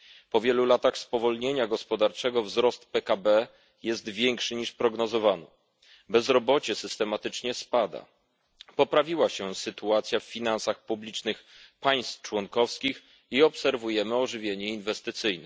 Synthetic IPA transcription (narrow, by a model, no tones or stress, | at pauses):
pɔvʲjɛlulat̪axspɔvɔlɲeɲaɡɔspɔd̪aɾt͡ʂɛɡɔvzɾɔst̪pɛkabɛ | jɛst̪vʲjɛŋkʂɘɲiʂpɾɔɡnɔzɔvanɔ | bɛzɾɔbɔt͡ɕɛsɘst̪ɛmat̪ɘt͡ʂɲɛspad̪a̰ | pɔpɾavʲiwaɕɛsɘt̪uat̪sʲjaffʲinansaxpublʲit͡ʂnɘxpaj̃st̪t͡ʂwɔŋkɔfskʲix | iɔpsɛɾvujɛmɘɔʐɘvʲjeɲɛinvɛst̪ɘt̪sɘjnɛ